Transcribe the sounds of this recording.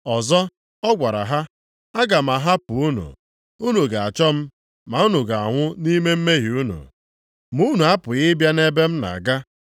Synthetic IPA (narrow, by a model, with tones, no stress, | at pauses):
ɔ˨zɔ˦ | ɔ˦ɡʷa˨ɾa̰˨ɦa˦ | a˦ɡa˨ma˨ɦa˦pʊ˨u˦nṵ˨ | u˦nu˨ɡa˨a˨t͡ʃɔ˦m̩˦ | ma˨u˦nu˨ɡa˨a̰˨ŋʷʊ˦ni˦me˦m̩˦me˦ɦi˨u˦nṵ˨ | mu˦nu˨a˦pʊ˨ɣɪ˦bja˦ne˦be˦m̩˦na̰˨ɡa˦